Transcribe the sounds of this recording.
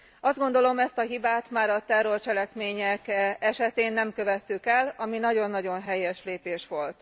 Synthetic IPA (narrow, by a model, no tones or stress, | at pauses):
ɒzd̪ɡo̞n̪d̪o̞lo̞mɛst̪ɒɦibaːt̪maːɾɒt̪ɛrːo̞rt͡ʃɛlɛkmeːɲɛkɛʃɛt̪eːnːɛmkø̞vɛt̪ːykɛlɒminɒɟo̞nːɒɟo̞nɦɛjɛʃleːpeːʃʋo̞lt̪